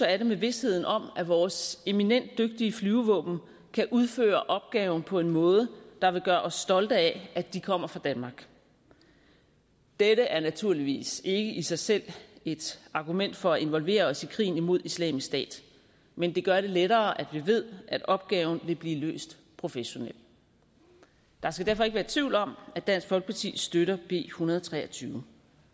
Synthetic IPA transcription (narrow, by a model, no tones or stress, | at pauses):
ɒæɾe̝meʋe̝she̝ð̞̰ˠn̩ɒ̽m̰æʋɒːse̝minen̰d̥ːøɡ̥̚d̥iəflyːʊʋɔ̰ːb̥n̩ | kʰæʔuð̞ˠfø̰ːɐʔɒ̽b̥̚ɡ̥ɛːʊn̩pʰɒ̽e̝nmɔ̽ːð̞ˠəd̥ɑ̈ʋe̝ɡ̥ɶːɐɒ̽sːd̥ɒ̽ld̥əææd̥ikʰɒ̽m̰ɐfʁɑ̈d̥ænmɑ̈ɡ̥ | d̥eɾəʔæɐnæt͡sʰuɐ̰liʋḭːse̝ɡ̥əʔisɑ̈ɪsel̰e̝d̥ɑ̈ɡ̥umen̰d̥fɒ̽æʔe̝nʋɒ̽lʋe̝̰ːɐɒ̽sikʰʁḭːn̩imo̝ð̞̰ˠislɛ̰ːmisd̥ɛ̰ːd̥ | mend̥e̝ɡ̥ɶɐɾe̝leɾɐːʔæd̥ʋiʋe̝ð̞̰ˠʔæd̥ɒ̽b̥̚ɡ̥ɛːʊn̩ʋe̝b̥liːlø̰ːsd̥ | pʰʁo̝feɕo̝nel̰ | d̥ɑ̈sɡ̥æd̥æɐfɒ̽eɡəʋæːɐt͡sʰʋiʊlɒ̽mæd̥d̥æn̰sɡ̥fɒlɡ̥pʰɑ̈t͡sʰḭːsd̥øɾɐb̥e̝̰ːhunɐð̞ˠɒt͡sʰʁɛ̰ːɐt͡sʰyːʊ